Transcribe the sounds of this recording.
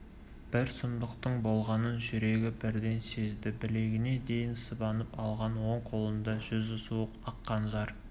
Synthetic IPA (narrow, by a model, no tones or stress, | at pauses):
b̥ɪɾsʊmd̪əqt̪əɴbo̞lˠʁɑnənʒʏɾe̞ɡʲɪbɪɾd̪e̞nse̞zd̪ɪbɪle̞ɡʲɪne̞d̪e̞jɪnsəbɑnəpɑlˠʁɑnwo̞ɴqʰo̞lˠənd̪ɑʒʏzʊsuəqɑqːɑnʒɑɾ